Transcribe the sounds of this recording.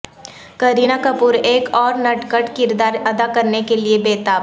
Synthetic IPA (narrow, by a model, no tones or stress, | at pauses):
kɐɾinakɐpuɾeːkɔːɾnɐʈkəʈkɪɾd̪aːɾɐd̪akɐɾnekeliebeːt̪aːb